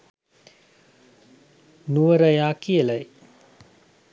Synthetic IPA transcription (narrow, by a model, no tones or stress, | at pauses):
nuəɾəjaːkiəlaj